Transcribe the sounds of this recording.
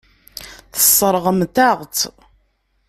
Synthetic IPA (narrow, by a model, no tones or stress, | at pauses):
θə̥sˤːəɾˤəʁmt̪æʁt̪